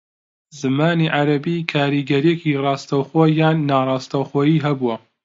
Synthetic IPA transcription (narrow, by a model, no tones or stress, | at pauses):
zɨmaːniʕaɾɐbiːkʰaːɾiːɡɐɾijekirˤɑːst̪ɐwxoːjaːnːaːrˤɑːst̪ɐwxoːjiːɦɐbuwɐ